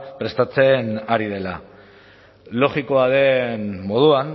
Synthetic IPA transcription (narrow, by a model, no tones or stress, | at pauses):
pɾe̞st̪at͡se̞naɾið̞e̞la̰ | lo̞ɣiko̞aðe̞nmo̞ðuan